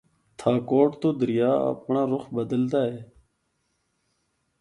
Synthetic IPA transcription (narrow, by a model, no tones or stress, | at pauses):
t̪ʰaːkoːʈt̪oːd̪əɾɪjaːə̰pɳãːɾʊxbəd̪əld̪aːɦeː